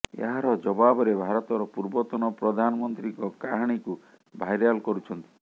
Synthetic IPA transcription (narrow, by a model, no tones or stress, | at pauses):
ḛɦaɾɔd͡ʒɔbabɔɾebʱaɾɔt̪ɔɾɔpuɾbɔt̪ɔnɔpɾɔd̪ʱanɔmɔnt̪ɾikɔkaɦaɽ̃iku | bʱajɾjalkɔɾut͡ʃʰɔnt̪i̥